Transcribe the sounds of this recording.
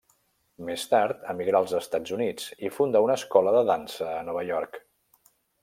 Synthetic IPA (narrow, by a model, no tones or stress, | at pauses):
mest̪aɾt̪əmiɣɾaəlˠzəst̪ad͡zunid͡zifund̪aunəskɔləðəðansəːnɔβ̞əʎɔɾk